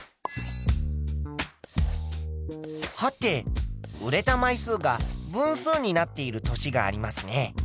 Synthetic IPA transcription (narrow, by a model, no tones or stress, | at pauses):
hat̪ːe̞ɯ̟ɾe̞t̪amaisɨːɡabɯ̟̃ɰ̃sɨːɲ̟inat̪ːe̞iɾɯ̟t̪o̞ɕiɡa̰ːɾʲimasɨne̞